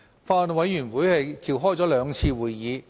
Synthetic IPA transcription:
faː˧nwɐ˨˧jjyː˨˩nwuː˨˥jhe˨˧jt͡siː˨˧wɦɔː˥jt͡sɔː˨˥lœː˨˧ŋt͡sʰiː˧wuː˨˩jjiː˨˧

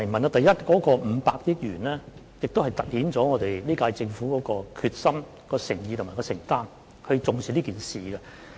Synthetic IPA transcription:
ɐ˨˩mɐ˨na˧t̪ɐ˨jɐ˥t̚kɔː˨˥kɔː˧m̩˨˧˦paː˧k̚ji˥k̚jyː˨˩nlɛː˥ | jɪ˨k̚t̪o˥hɐ˨jt̪ɐ˨t̚hiː˨˥nt͡sɔː˨˥ŋɔː˨˧t̪e˨jliː˥kaː˧jt͡sɪ˧ŋfuː˨˥kɔː˨˥kɔː˧kʰyː˧t̚sɐ˥m | kɔː˧sɪ˨˩ŋjiː˧t̪ʰmaː˨˩kɔː˧sɪ˨˩ŋt̪aː˥n | kʰɵ˧t͡sʊ˨ŋsi˨liː˥kiː˨nsiː˨ɡɛ˧

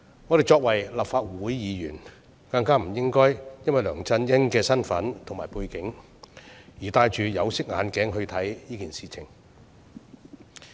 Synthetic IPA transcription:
ŋɔː˨˧ɾe˨jt͡ʃɔː˧k̚wɐ˨˩jlɐ˨˩p̚faː˧t̚wuː˨˥jːiː˨˧jyː˨˩n | kɐ˧ŋkaː˥m̩˨˩jɪ˥ŋkɔː˥jjɐ˥nwɐ˨˩jlœː˨˩ŋt͡sɐ˧njɐ˥nkɛː˧sɐ˥nfɐ̰˨˥nt̪ʰʊ˨˩ŋmaː˨˩jpuː˧jkɪ˨˥ŋ | jiː˨˩t̪aː˧jt͡ʃyː˨jɐ˨˧wsɪ˥k̚ŋa̰ː˨˧nkɛː˨˥ŋɦɵ˧ɥt̪ʰɐ˨˥jjiː˥kiː˨nsiː˨t͡sʰɪ˨˩ŋ

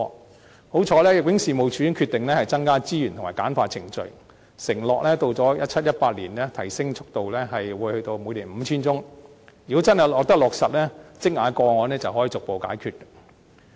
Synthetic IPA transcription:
ho˨˥wt͡ʃʰɔː˨˧lɛː˥jɐ˨k̚wɪ˨˥ŋsiː˨mo˨wt͡ʃʰyː˨˥jŋkʰyː˧t̪ɪ˨ŋlɛː˥hɐ˨jt͡sɐ˥ŋkaː˥t͡siː˥jy˨˩nt̪ʰŋmaː˨˩kaː˨˥nfaː˧t͡sʰɪ˨˩ŋt͡ʃɵ̰˨ɥ | sɪ˨˩ŋlɔː˨k̚lɛː˥t̪o˧wt͡sɔː˨˥jɐ˥t̚t͡ʃʰɐ˥t̚jɐ˥t̚paː˧t̚liː˨˩nlɛː˥t̪ʰɐ˨˩jsɪ˥ŋt͡sʰʊ˥k̚t̪o˨wlɛː˥ɦɐ˨jwuː˨˧jhɵ˧t̪o˧wmu˨˧jliː˨˩nm̩ː˨˧t͡sʰiː˥nt͡sʊ˥ŋy˨kɔ˨˥t͡sɐ˥nhɐ˨jlɔː˨k̚t̪ɐ˥k̚lɔː˨k̚sɐ˨t̚lɛː˥t͡sɪ˥k̚ŋaː˨˧˥kɔː˧ŋɔː˨˧nlɛː˥t͡sɐ˨whɦɔ˨˥ji˨t͡sʊ˨k̚po˨wka̰ː˨˥jkʰyː˧t̚kː

